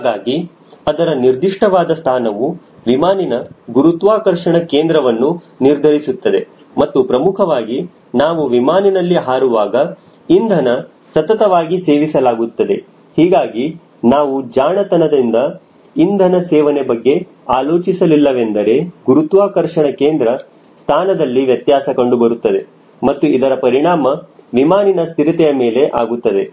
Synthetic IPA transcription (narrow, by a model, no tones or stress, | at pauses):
ɦaːɡaːɡi | ɐd̪ɐɾɐniɾd̪iʂʈɐʋaːd̪ɐst̪ʰaːnɐʋu | ʋimaːninɐɡuɾut̪ʋaːkɐɾʂɐɳɐkeːnd̪ɾɐʋɐnːu | niɾd̪ʱɐɾisut̪ːɐd̪e̞̰ | mɐt̪ːupɾɐmukʰɐʋaːɡi | naːʋuʋimaːninɐlːiɦaːɾuʋaːɡɐ | ind̪ʱɐnɐ | sɐt̪ɐt̪ɐʋaːɡiseːʋisɐlaːɡut̪ːɐd̪e̞ | hiːɡaːɡi | naːʋud͡ʒaːɳɐt̪ɐnɐd̪ind̪ɐ | ind̪ʱɐnɐsɛːʋɐnebɐɡːe̞ | aːloːt͡ʃisɐlilːɐʋe̞nd̪ɐɾe̞ɡ̥uɾut̪ʋaːkɐɾʂɐɳɐkeːnd̪ɾɐ | st̪ʰaːnɐd̪ɐlːiʋjɐt̪jaːsɐkoɳɖubɐɾut̪ːɐd̪e̞ | mɐt̪ːuid̪ɐɾɐpɐɾiɳaːmɐʋimaːninɐst̪iɾit̪ɛjɐmeːle̞ʔa̰ːɡut̪ːɐd̪e̞